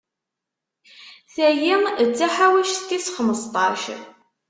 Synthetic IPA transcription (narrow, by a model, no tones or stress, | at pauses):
θæjimt͡sːaħawæʃθt̪isχəməst̪ˤɑʃ